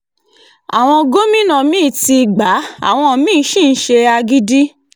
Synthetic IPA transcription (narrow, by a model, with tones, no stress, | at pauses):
a̰˨w̃ɔ̃˧ɡo˦mĩ˦nã˨mĩ˦˨ti˧ɡ͡ba˨˦a̰˦˨w̃ɔ̃˧˨mĩː˦˨˦ʃĩ˦˨n̩˦ʃe˧a˧ɡi˦di˦